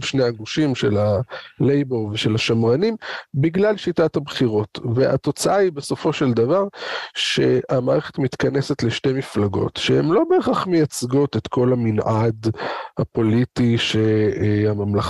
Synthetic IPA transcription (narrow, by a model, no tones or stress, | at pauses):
ʃnejaɡuʃimʃe̞lalejbolveʃe̞laʃamʁanimbiɡlalʃitathabχiʁo̞tveʔa̰t̪o̞t͡saʔaibe̞so̞fo̞ʃeld̪avaʁʃe̞amaːʁeχet̪mit̪kane̞set̪leʃte̞miflaɡo̞̰t̪ʃeemlo̞beːχaχmejat͡sɡot̪et̪ko̞laminʔad̪hapo̞lit̪iʃeamamlaχ